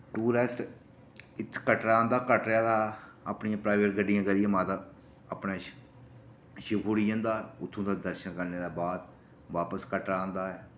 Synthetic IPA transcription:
ʈuːɾesʈ | ɪt̪ʰːkəʈɾaːnd̪aːkəʈɾɪaːd̪aːəpɳɪjãːpɾaːɪʋəʈɡəɖːɪjãːɡəɾɪjãːmãːt̪aː | əpɳẽː | ʃəkuːɽɪjə̃nd̪aːʊt̪ʰːõːd̪aːd̪əɾʃənkəɾneːd̪aːbaːd̪ | ʋaːpəskəʈɾaːnd̪aːɛː

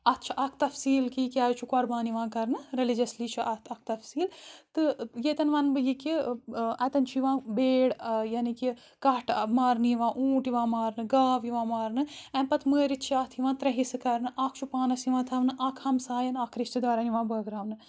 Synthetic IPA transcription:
ɐt̪ːt͡ʃʰɐʔɐkʰt̪ɐfsiːlkikʲaːt͡ʃʰukoɾbaːniʋãːkɐɾnɨɾelid͡ʒɐslit͡ʃʰuʔɐɐk̚ʰt̪ɐfsiːlt̪ɨjet̪ɐnʋaːnbɨjikiɐt̪ɐnt͡ʃʰiʋãːbeːɽjɐniki | kɐʈmaːɾnɨjʋãːʔuːʈiʋãːmaːɾnɨɡaːʋiʋãːmaːɾnɨɛ̃mpɐt̪ʰməːɾit̪t͡ʃʰiat̪ʰiʋãːt̪ɾɐɦisɨkɐɾnɨʔaːkʰt͡ʃʰupaːnɐsiʋãːt̪ʰɐʋnɨʔaːkʰɐmsaːjɐnaːkʰɾiʃt̪ɨd̪ʋaːɾaniʋãːbəːɡɾaːʋnɨ

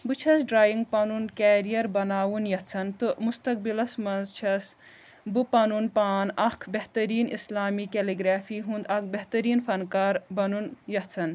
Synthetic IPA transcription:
bɨt͡ʃʰɐsɖɾaːjiŋɡ̚pɐnuːnkaːɾijɐɾbɐnaːwunjɐt͡sʰɐnt̪ɨmust̪ɐk̚bilɐsmɐnzt͡ʃʰɐs | bɨpɐnuːnpaːnɐkʰbeht̪ɐɾiːnḭslaːmiːkeliɡɾaːfiːɦũnd̪ɐk̚ʰbɐɦt̪ɐɾiːnfɐnkaːɾbɐnunjɐt͡sʰɐn

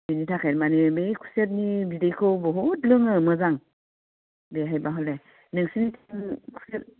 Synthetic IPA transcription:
binitʰakʰaɾmanɯbejkʰu̥set̬̚nibidejkʰɯwbɔɦotlɯŋɯmɯzaŋ | beɦajbaɦɔle | nɯŋsinitʰiŋkʰu̥set̚

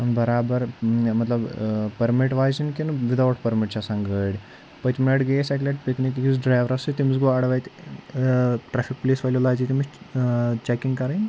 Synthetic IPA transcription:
ɐnbɐɾaːbɐɾmɐt̪lɐbpɐɾmiʈʋaːzinkinʋid̪ɐwʈʰpɐɾmiʈt͡ʃʰasaŋɡəɽʲ | pət̪mlɐʈɡeːsakleʈ̚piknikkizɖɾaːjʋɾɐsɨt̪imizɡoɐɽʋaːjt̪ | ʈɾaːfʰik̚pleːsʋalolaːzit̪imis | t͡ʃɛːkiŋɡkɐɾain

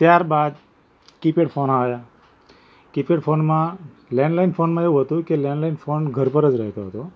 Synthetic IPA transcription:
t̪jaɾbad̪ | kipeʈfonaʋja | kipeʈfʰonmã | lɛ̃ɳɖlainfonmãeʋũɦət̪ũkelɛ̃ɳɖlainfonɡʱəɾpəɾəd͡ʒɾəɦt̪oɦət̪o

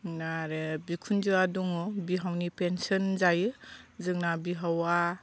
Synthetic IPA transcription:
naɾɯbikʰund͡ʒɯaduŋɔbiɦawnipensɔnzajɯzɯŋnabiɦawa

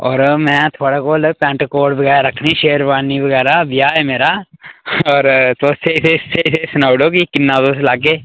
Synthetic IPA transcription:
ɔːɾmɛ̃t̪ʰoːɽakoːlpɛ̃ːɳʈkoːɖbɐɡɛːaɾɐkʰniʃeːəɾʋaːniʋɐɡɛːɾaʋijaːɛmeːɾa | ɔːɾt̪oːseɪseseɪsesʊnaːwɽoːkikɪnːad̪oːselaːk̬eː

